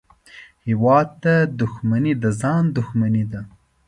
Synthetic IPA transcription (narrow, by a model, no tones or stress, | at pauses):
hɪwɑd̪̚t̪ad̪ʊxmanid̪azɑnd̪ʊxmanid̪a